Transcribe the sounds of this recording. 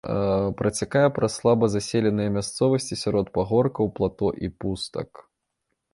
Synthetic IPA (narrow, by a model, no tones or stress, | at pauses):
pɾʔɐt͡sʲakajɛpɾɐslˠabɐzasʲelʲɛnɨjɐmʲast̪sɔvɐsʲt͡sʲisʲaɾɔt̪paɣɔrkɐwplˠat̪ɔʔipust̪ɐ̰k